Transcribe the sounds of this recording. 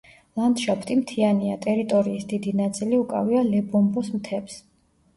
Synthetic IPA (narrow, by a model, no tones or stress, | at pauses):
lˠant̪ʃapʰt̪ʼimt̪ʰianiat̪ʼɛɾit̪ʼɔɾiːsd̪id̪inat̪sʼiliukʼa̰vialɛbɔmbɔsmt̪ʰɛps